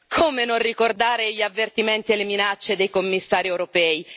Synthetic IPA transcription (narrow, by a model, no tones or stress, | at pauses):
kʰoːmenonrikord̪aːɾeʎavːert̪iment̪ieleminat͡ʃːed̪ejkomːisːaːɾiɛwɾopɛːi